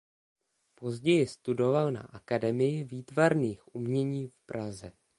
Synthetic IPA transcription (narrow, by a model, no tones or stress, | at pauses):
po̞zɟɛjɪst̪udo̞valna̰ʔakadɛmɪjɪviːt̪vaɾniːxʔumɲɛɲiːfpɾʔazɛ